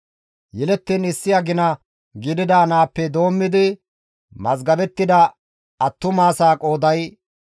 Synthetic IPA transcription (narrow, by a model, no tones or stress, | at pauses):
jɛlɛt̪ːiːnɪsːɪjɐɡɪnɐ | ɡɪd̪ɪd̪aːnaːpːɛd̪o̞ːmːɪd̪ɪ | mɐzɡɐbɛt̪ːɪd̪ɐ | ɐt̪ːʊmaːsaːkʼo̞ːd̪ɐj